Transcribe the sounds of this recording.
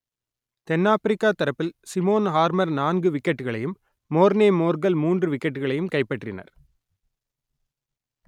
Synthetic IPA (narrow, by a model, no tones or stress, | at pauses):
t̪ɛnːaːfɪɾɪkːaːt̪ɐɾɐpːɪlsɪmoːnɦaːɾmɐɾnaːnɡɯʋɪkːɛʈːɯɣɐɭɐjɯmː | oːɾneːmoːɾɡɐlmuːndrɯʋɪkːɐʈːɯɣɐɭɐjɯmkɐɪpːɐʈrɪnɐ̰ɾ